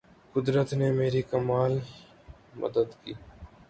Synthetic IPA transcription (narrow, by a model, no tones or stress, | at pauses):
kʊd̪ɾət̪nemeːɾikɐmaːl | mə̰d̪əd̪kḭː